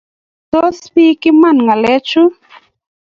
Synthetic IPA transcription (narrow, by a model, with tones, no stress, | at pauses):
t̪o˦spi˦kɪ˦ma˦˨nŋa˨lɛ˦t͡ʃu˦